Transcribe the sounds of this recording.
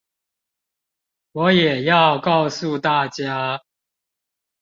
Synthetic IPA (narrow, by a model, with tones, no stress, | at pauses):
wɔ˨˦jɛ˨˩jɑ˥˧ʊkɑ˥˧ʊsu˥˨t̪a˥˨t͡ɕja˦